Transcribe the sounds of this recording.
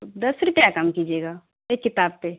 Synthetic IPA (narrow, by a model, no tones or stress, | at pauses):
d̪ɐsɾʊpjakamkiːd͡ʒeːɡaː | ekːɪt̪aːb̚pe